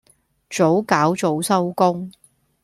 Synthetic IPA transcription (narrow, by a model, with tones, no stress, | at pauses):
t͡so˨˥wkaː˨˥wt͡so˨˥wsɐ˥wkʊ˥ŋ